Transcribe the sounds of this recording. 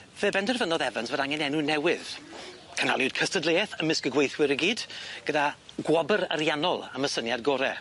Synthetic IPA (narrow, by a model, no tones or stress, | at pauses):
veːbɛndɛrvənɔðɛvənsvədaŋɛnɛnunɛwɪð | kʰəna̰lˠjʊd̥̚kʰəstədlˠeːθəmɪskəɡwejθwɪɾəɡiːd̥ɡ̥ədaɡwɔbəɾəɾjanɔlˠəməsənjadɡɔɾɛ̰